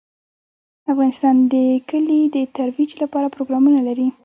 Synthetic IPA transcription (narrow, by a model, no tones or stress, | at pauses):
afɣɑnɪst̪ɑnd̪əkəlid̪ət̪aɾwid͡ʒlapɑɾapɾoɡɾɑmunalaɾi